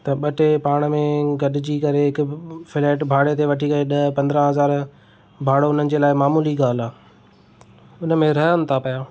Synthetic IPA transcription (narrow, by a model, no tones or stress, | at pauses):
t̪ɐɓɐʈepaːɽ̃mẽɡɐɗɪd͡ʑikɐɾeɦɪkʊfɪleːʈbʱaːɽet̪ʰeʋɐʈʰikɐeɗɐpɐ̃nd̪ɾə̃ɦɐzaːɾ | bʱaːɽoʊn̤ənɪ̆d͡ʑeːlaːɪmaːmuːliɡaːl̤aː | ʊnə̆mẽɾɐɦənɪ̆t̪ʰapɐjaː